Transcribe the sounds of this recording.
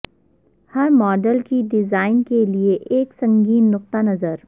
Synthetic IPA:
hɐɾmɔːɖəlkiɖɪzaːɪnkelieʔeːksɐ̃ŋɡiːnːʊq̚t̪anɐzəɾ

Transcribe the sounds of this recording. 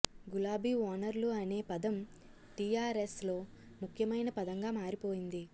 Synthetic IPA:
ɡulaːbiːaːnɐɾluɐne̞ːpɐd̪ɐm | ʈijaːɾeslo̞ːmukʰjɐmɐjnɐpɐd̪ɐŋɡaːmaːɾipo̞ːjind̪i

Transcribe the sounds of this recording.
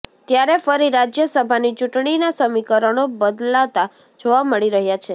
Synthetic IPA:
t̪jaɾefəɾiɾad͡ʒjəsəbʱanit͡ʃuʈɳ̃inasəmikəɾəɽ̃obəd̪lat̪a | d͡ʒoʋaməɭiɾəɦjat͡ʃʰe

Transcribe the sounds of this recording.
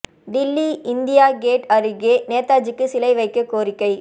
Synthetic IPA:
ɖɪlːiɪnd̪ɪjaːɡeːʈɐɾɯɡeːneːt̪ːaːd͡ʒɯkːɯsɪlɐɪʋɐɪkːɐkoːɾɪkːɐɪ

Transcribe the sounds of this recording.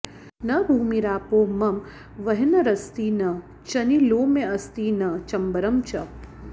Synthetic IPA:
nɐbʱuːmiɾaːpoːmɐm | ʋɐɦinɐɾɐst̪iːnɐ | t͡ʃɐniloːmeɐst̪iːnɐt͡ʃɐmbɐɾɐmt͡ʃɐ

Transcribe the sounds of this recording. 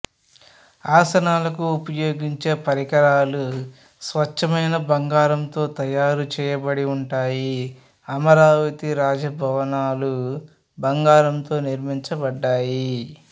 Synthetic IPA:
aːsɐnaːlɐkuːpɐjo̞ːɡiɲt͡ʃe̞ːpɐɾikɐɾaːlu | sʋɐt͡ʃːɐmɐjnɐbɐŋɡaːɾɐnt̪o̞ːt̪ɐjaːɾut͡ʃɛːjɐbɐɽiuɳʈaːji | ɐmɐɾaːʋɐt̪iɾaːd͡ʒɐbʱɐʋɐnaːlu | bɐŋɡaːɾɐnt̪o̞ːniɾmiɲt͡ʃɐbɐɖːaːji

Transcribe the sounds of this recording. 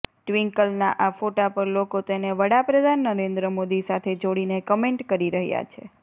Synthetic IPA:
ʈʋiŋkəlnaʔafoʈapəɾlokot̪eneʋəɽapɾəd̪ʱanːəɾend̪ɾəmod̪isat̪ʰed͡ʒoɽinekəmeɳʈkəɾiɾəɦja̰t͡ʃʰḛ

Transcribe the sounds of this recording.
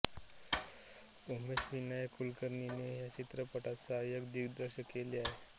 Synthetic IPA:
omesʋinajkulkəɾɳineɦjat͡ɕit̪ɾəpəʈat͡sajəɡd̪iɡd̪ɾəɕəkeliaɦe

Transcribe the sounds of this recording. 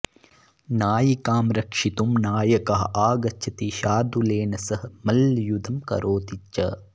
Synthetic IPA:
naːjikaːmɾɐkʂit̪umnaːjɐkɐɦɐaːɡɐt͡ʃʰɐt̪iʃaːd̪uleːnɐsɐɦɐmɐljud̪ʱɐmkɐ̰ɾoːt̪it͡ʃːɐ̰

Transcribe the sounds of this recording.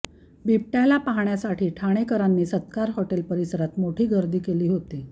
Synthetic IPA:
bip̚ʈjalapaɦɳjasaʈʰiːʈʰaɽ̃ekəɾanːiːsət̪kaɾɦoʈelpəɾisəɾat̪moʈʰiːɡəɾd̪iːkeliːɦot̪i

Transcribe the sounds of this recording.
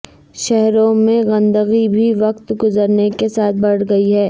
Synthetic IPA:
ʃɛɦɾõmẽɣɐ̃nd̪əɣibʱiʋɐqt̪ɡʊzəɾnekesaːt̪̚ʰbɐɽ̤ɡɐiɦɛː

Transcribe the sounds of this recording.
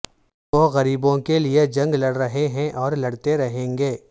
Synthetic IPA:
ʋoːɣɐɾiːbõkelied͡ʒɐ̃ŋɡlɐɽɾɐɦeɦɛ̃ʔɔːɾlɐɽt̪eɾɐɦẽːŋɡeː

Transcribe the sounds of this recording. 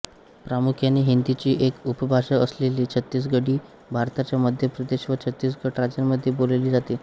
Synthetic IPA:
pɾamukʰjaniːɦind̪it͡ɕiːʔekupəbʱaʂaəsleliːt͡ɕʰət̪ːiːs̬ɡəɽiː | bʱaɾt̪at͡ɕjaməd̪ʱjepɾəd̪eɕʋət͡ɕʰət̪ːiːsɡəʈɾad͡ʑanməd̪ʱːjeboleliːd͡zat̪iː

